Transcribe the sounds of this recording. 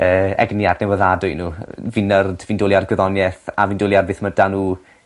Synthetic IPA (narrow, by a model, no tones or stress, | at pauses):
əːɛ̰ɡniadnɛwəðadʊjnuːvinərd̥viːndoːlˠiarɡwɪðɔnjɛθavindoːlˠjarbeːθmədanuː